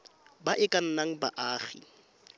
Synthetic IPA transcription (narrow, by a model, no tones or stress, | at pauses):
baʔɪkʼan̩naŋ̩ba̰ʔaːχḭ